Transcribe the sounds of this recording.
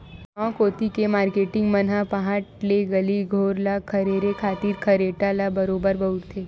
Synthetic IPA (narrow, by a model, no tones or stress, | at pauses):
mɔ̃koːt̪ikemaɾkeʈɪ̃ŋɡmənɦapaɦaʈleɡəliɡʱoːɾlakʰəɾeɾekʰaːt̪iːɾkʰəɾeʈalabəɾobəɾbəuɾt̪ʰe